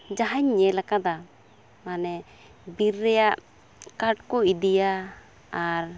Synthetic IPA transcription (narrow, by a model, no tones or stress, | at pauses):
d͡ʒaɦaɲːɛlakad̪a | manɛ | biɾːɛjaʔ | kaɾʈ̚kɔidija | aɾ